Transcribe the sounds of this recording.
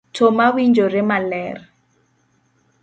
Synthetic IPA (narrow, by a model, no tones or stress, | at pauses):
tʰɔmawind͡ʒɔɾɛmalɛːrɛ